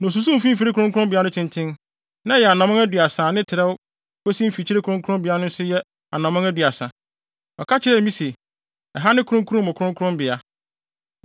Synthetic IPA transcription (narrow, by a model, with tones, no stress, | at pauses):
nɔ̃˨s̬u˦s̬ũ˦m̩˨fĩ˦m̩˦˨fi˦ɾɪ˦kʰɾʊ̃˦ŋkʰʊ˦ɾʊ̃˦mbɪ˨a˦nʊ̃˦tʰɪ̃˨ntʰɪ̃˦n | nã˦jɛ˨a˨nã˨mʊ̃˦ŋæ˦dɥa˨sãː˨nɪ̃˦tʰɪ˨ɾɛ˦w | kʰɔ˦sĩ˦m̩˦fi˨t͡ɕʰi˦ɾe˦kʰʊ̃˦ŋkʰʊ̃˦mbɪ˨a˦nʊ̃˦n̩˦sʊ˦jɛ˦ | a̰˨nã˨mã˦ŋæ˦dɥa˨sã˨ | ɔ˨kʰa˦t͡ɕʰɪ˨˦ɾɛ˦˨mĩ˦se˨ | ɛ˨ɦa˦nɪ̃˦kʰʊ˦ɾʊ̃˦kʰu˦ɾũ˦m˨ʊ̃˨kʰɾʊ̃˦ŋkʰʊ˦ɾʊ̃˦mbɪ˨a˦